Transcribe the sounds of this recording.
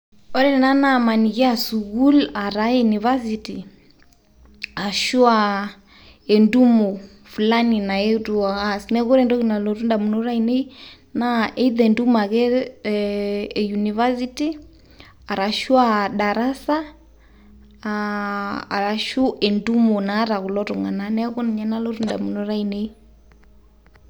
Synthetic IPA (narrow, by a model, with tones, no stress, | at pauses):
ɔ˦ɾɛ˦ɛ˨na˦nama˨niɣɛ˦a˨suɣu˦la˨ɾa˦ɛjuniva˦siti˨ | a˨ʃu˦a | ɛ˨ndu˦mɔ˨ | fu˨la˦ni˨na˨ɛ˦ɾu˨a˨ɣasinɛ˦ɣɔ˦ɾɛndɔ˦ɣina˨lɔ˨ɾu˦nda˨mu˨nɔ˦ɾa˦inɛ˦i | na˦ʔɛ˦iðɛndu˦ma˨ɣɛ˨ | juni˨va˦si˦ti˦ | a˨ɾa˨ʃu˦a˦ɗa˨ɾa˦sa˦ | a˨ɾa˨ʃu˦ʔɛ˨ndu˦mɔ˨naː˨˦ɾa˨ɣu˨lɔ˦ɾu˨ŋɡa̰˨nanɛ˦ɣɔ˦ni˨ɲa˨na˦lɔ˦ɾu˦nda̰˨mu˨nɔ˦ɾa˦inɛ˦i˦